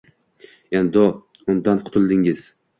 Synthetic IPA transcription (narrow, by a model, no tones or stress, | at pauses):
end̪ɒ | ʊnd̪anqʰʊ̥t̪ʰɪlˠd̪ɪŋɪz̥